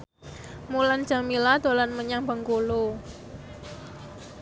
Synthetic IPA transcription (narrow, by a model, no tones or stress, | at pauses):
mulan̥d͡ʒaŋmilad̪olanməɲaŋbəŋkolo